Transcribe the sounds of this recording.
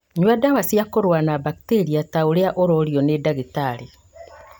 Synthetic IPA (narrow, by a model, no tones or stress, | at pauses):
ɲwɛdawasiakoɾwanabakiteɾiataoɾeaʔoɾɔɾjɔnedaɣetaɾe